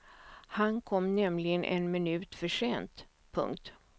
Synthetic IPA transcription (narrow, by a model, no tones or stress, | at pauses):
hankʰɔmːnɛmlɪɡənʔɛ̰nmɪnʉ̟ːt̪fœʂeːnt̪ | pʰɵ̰ŋk̚t̪